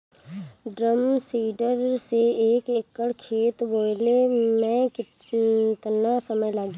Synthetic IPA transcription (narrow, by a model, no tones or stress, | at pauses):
ɖɾəmsiːɖəɾseeːkeːkːəɽkʰeːt̪boːlemɛ̃kɪ | t̪nasəməjlaːɡ